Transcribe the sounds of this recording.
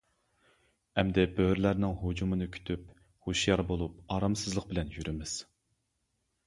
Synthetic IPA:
ɛmd̪ɛbøwɾlæɾnɪŋɦud͡ʒumɨnɨkʲʰy̥t̪ʰyp | hoʃjɑɾbolˠup̚ɑːɾɑmsɨzlˠəq̚bɪlɛnjyɾɪmɪz̥

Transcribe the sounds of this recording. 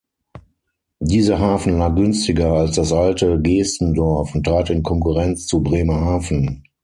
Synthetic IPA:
diːzɐɦaːfn̩laːk̚ɡ̥ʏnstɪɡɐalsd̥asʔaltəɡeːstn̩dɔɐfʊntʁ̥aːtɪnkʰɔŋkuʁɛnt͡st͡subʁeːmɐhaːfn̩

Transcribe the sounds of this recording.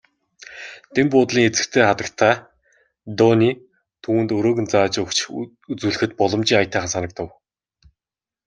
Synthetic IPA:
t̪empʊːt̪ɮiːŋet͡sɘ̆kt̪ʰeːχat̪ə̆kt̪ʰaː | t̪ɔniː | t̪ʰuːwɘ̆nt̪ɵɾoːɣɘ̆nt͡saːt͡ɕɵkt͡ɕ | ut͡suːɮɘ̆xɘ̆t̪̚pɔɮɞ̆mt͡ɕiːŋajʰt̪ʰaːχăsanə̆k̚t̪ʰə̆w

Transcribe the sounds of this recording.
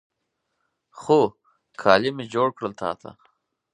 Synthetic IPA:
xoː | kʰaːlimid͡ʑoːɽkɽəlt̪ʰa̰ːt̪ʰa̰

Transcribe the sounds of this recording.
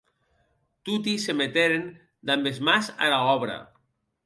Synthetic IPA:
t̪ut̪̬isemet̪eɾen | d̪ambezmasa̰laɔβɾa̰

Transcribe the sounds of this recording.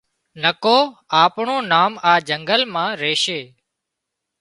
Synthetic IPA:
nəkoːaːpɳoːnaːmaːd͡ʒəŋɡəlmãːɾeːʃeː

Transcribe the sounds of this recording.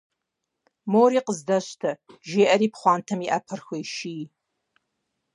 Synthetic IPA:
moːɾiːqəzdɐɕtʰɐʒeːʔɐɾiːpχʷɑːntʰɐmiʔɐpʰɨrxʷeʃiː

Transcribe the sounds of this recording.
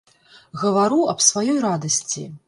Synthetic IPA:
ɣɐvaɾuɐpsvajɔjɾad̪ɐsʲt͡sʲḭ

